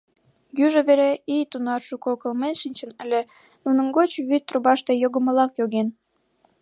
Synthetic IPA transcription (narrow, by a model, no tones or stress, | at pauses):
jyʒə̆βeɾeijt̪unɑrʃukokə̆lmenʃinʲt͡ɕə̆nəlʲe | nunə̆ŋɡot͡ɕβyt̪ːruβɑʃt̪ejoɣə̆mə̆lɑkjoɣen